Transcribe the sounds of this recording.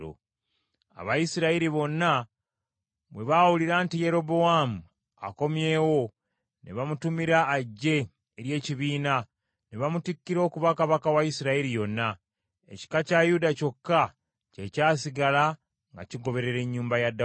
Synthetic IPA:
o̰ | a̰βajisiɾaiɾiβo̞nːa | βwe̞βawuliɾaːntije̞ɾo̞bo̞wamu | a̰ko̞mje̞ːwo̞ | neβamutumiɾaːɟːe̞ː | ɾje̞ːciβiːna | neβamutikːiɾo̞ːkuβakaβakawajisiɾaiɾijo̞nːa | e̞̰ci̥kacajudaco̞kːa | cecaːsiɡala | ŋɡa̰ciɡo̞βe̞ɾe̞ɾe̞ɲːuːmbajadːa

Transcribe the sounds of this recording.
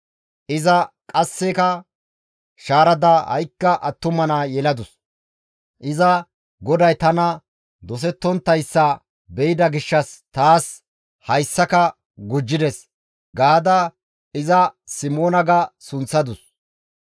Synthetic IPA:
ʔɪzɐ | kʼɐsːɛkɐ | ʃaːɾɐd̪ɐhɐ̰jkːɐʔɐt̪ːʊmɐnaːjɛlɐd̪ʊs | ʔɪzɐ | ɡɔd̪ɐjt̪ɐnɐ | d̪ɔs̬ɛt̪ːɔnt̪ːɐjsːɐ | bɛjɪd̪ɐɡɪʃːɐst̪aːs | hɐjsːɐkɐ | ɡʊd͡ʒːɪd̪ɛs | ɡaːd̪ɐ | ɪzɐsɪmoːnɐɡɐsʊnsɐd̪ʊs

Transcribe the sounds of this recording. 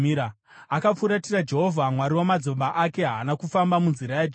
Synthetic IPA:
ɾa | akap͡fuɾatirad͡ʒe̞ɦovʱamwaɾiwomad͡zo̞mbaʔake̞ɦaːnakufambamunziɾajad͡ʒ

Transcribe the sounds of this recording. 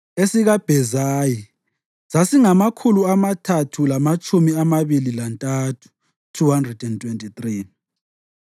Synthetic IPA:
esiɣab̥ʱɛzaːji | sasiŋamakʰuluamatʰatʰulamat͡ʃʼumiamaβililantʼatʰu̥ | tʰuhandrɛdɛntʰʼwentʼitri

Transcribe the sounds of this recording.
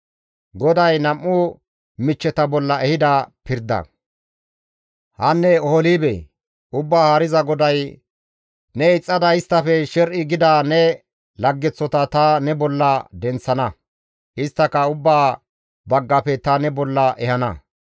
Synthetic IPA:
ɡɔd̪ɐjnɐmːʊ | mɪt͡ʃːɛt̪ɐbɔlːɐɛhɪd̪ɐpɪɾd̪ɐ̰ | hɐnːɛɔhɔliːbɛ̰ | ʊbːaːhɐɾɪzɐɡɔd̪ɐj | nɛɪt͡sʼːɐd̪ɐɪst̪ːɐfɛʃɛɾʔɪɡɪd̪aːnɛ | lɐɡːɛt͡sːɔt̪ɐt̪ɐnɛbɔlːɐd̪ɛnt͡sːɐnɐ | ʔɪst̪ːɐkɐʊbːaː | bɐɡːɐpɛt̪ɐnɛbɔlːɐʔɛhɐnɐ̰

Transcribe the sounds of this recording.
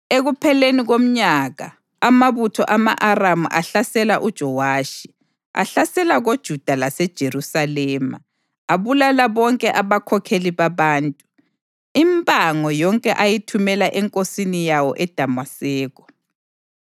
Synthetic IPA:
eɣupʰɛleniɣom̩ɲaɣa | amaβutʰɔʔamaʔaramuʔaɬasɛlaʔud̥ʒ̥ʱɔwaːʃi̥ | a̰ɬasɛlaɣod̥ʒ̥ʱud̥ʱalasɛd̥ʒ̥ʱeɾusalɛːma̰ | aβulalaβɔŋkʼɛʔaβakʰɔkʰeliβaβaːntʼu | impʼaŋɔjɔŋkʼɛʔajitʰumɛlaʔɛŋkʼosinijawɔʔɛd̥ʱamwasɛːɣɔ̥

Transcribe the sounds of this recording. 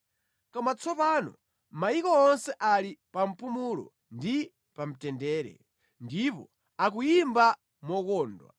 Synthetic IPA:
kɔmat͡sʰɔpaːnɔ̰ | maikɔɔnsɛʔalipam̩pumulɔ̰ | ndi | pam̩tɛndɛːɾɛ̰ | ndipɔ̰ | ak̬ujimba | mɔkɔːndwa̰

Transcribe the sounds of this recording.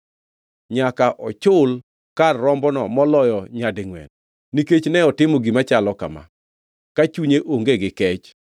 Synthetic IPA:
ɲakaʔɔt͡ʃʊl | karːɔmbɔnɔmɔlɔjɔɲadeŋwɛ̰n | niket͡ʃnɛɔtɪmɔɡimat͡ʃalɔka̰ma̰ | kat͡ʃuɲeʔoŋɡeɡɪkɛt͡ʃ

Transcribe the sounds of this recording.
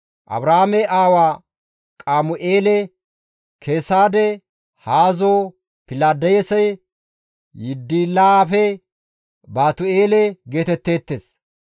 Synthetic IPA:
ʔɐ̰bɾahamɛʔaːwaː | kʼaːmʊʔeːlɛ | kʰeːsaːd̪ɛ | haːzo | pɪlaːd̪ɐjɛsɐj | jɪd̪ːiːlaafɛ | baːt̪ʊeːlɛɡe̞ːt̪ɛt̪ːe̞ːt̪ːeːs

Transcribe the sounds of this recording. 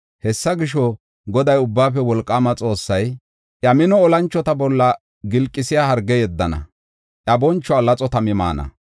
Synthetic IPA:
hɛsːɐɡɪʃɔ | ɡɔd̪ɐjʊbːaːpɛwɔlkʼːaːmɐt͡sʼo̞ːsːɐj | ʔɐmɪnɔːlɐnt͡ʃːɔt̪ɐbɔlːɐ | ɡɪlkʼːɪsɪjaːhɐɾɡːɛjɛd̪ːɐnɐ̰ | ʔɐbɔnt͡ʃːɔalɐt͡sʼɔt̪ɐmɪma̰ːnɐ̰

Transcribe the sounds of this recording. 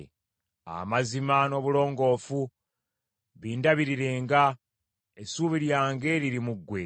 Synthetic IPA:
a̰mazimano̞βulo̞ːŋɡo̞ːfu | βiːndaβiɾiɾe̞ːŋɡa | esuːβiɾjaːŋɡe̞ːɾiɾimuɡwe̞

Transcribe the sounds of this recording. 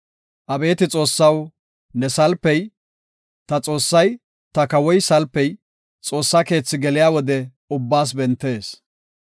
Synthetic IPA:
ʔɐbe̞ːt̪ɪt͡sʼo̞ːsːɐw | nɛsɐlpːɛj | t̪ɐt͡sʼo̞ːsːɐj | t̪ɐkɐwɔjsɐlpːɛj | t͡sʼo̞ːsːake̞ːt͡sːɪɡɛlɪjaːwɔd̪ɛ | ʊbːaːs̬bɛnt̪ːe̞ːs

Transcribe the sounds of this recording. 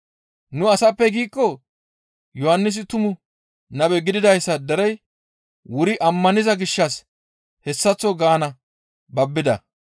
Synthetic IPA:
nʊɐsɐpːɛɡiːkːɔ | jɔhɐnːɪs̬ɪt̪ʊmʊ | nɐbɛɡɪd̪ɪd̪ɐjsːɐd̪ɛɾɛj | wʊɾɪʔɐmːɐnɪzɐɡɪʃːɐs | hɛsːɐt͡sːɔɡaːnɐ | bɐbːɪd̪ɐ̰

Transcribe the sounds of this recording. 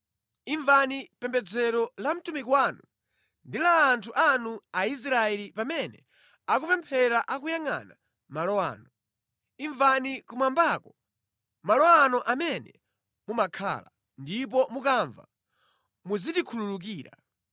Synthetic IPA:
iɱvanipɛmbɛd͡zɛɾɔlam̩tumikwaːnu | ndilaːntʰuʔanuais̬ɾaɛlipamɛnɛ̰ | ak̬upɛmpʰɛɾaʔak̬ujaŋa̰na | malɔa̰ːnɔ | iɱvanikumwambakɔ | malɔanɔʔamɛnɛ | mumakʰa̰ːla̰ | ndip̬ɔmukaɱva̰ | muzitikʰululuk̬iːɾa̰

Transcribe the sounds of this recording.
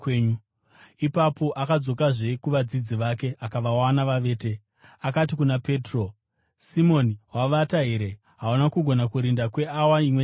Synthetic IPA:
u | ipapo̞ʔakad͡zo̞kaʐe̞kuʋad͡zid͡ziʋake̞akaʋawanaʋaʋe̞ːte | akatikunape̞ːtro̞ | simo̞niwaʋataɦeɾe̞ | ɦaunakuɡʱo̞nakuɾindakwe̞awaimwe

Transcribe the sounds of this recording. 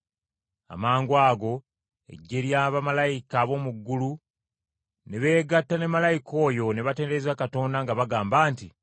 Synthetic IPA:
a̰maːŋɡwaːɡo̞ | e̞̰ɟːe̞ɾjaːβamalajikaβo̞muɡːulu | ne̞βe̞ːɡatːane̞malajikʰo̞ːjo̞ne̞βate̞ːneezakato̞ːndaŋɡaβaɡaːmbaːnti

